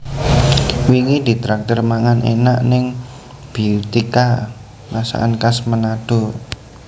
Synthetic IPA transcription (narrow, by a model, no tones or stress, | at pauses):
wiŋid̪̥i̤t̪ɾak̚t̪ʊrmaŋanḛna̰ʔnɪŋ | b̥it̪ika | masa̰ʔa̰nkasmənad̪̥o̤